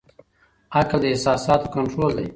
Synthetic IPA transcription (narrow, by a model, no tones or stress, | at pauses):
akld̪əɪsɑːsɑːt̪okaɳʈɾoːld̪a̰j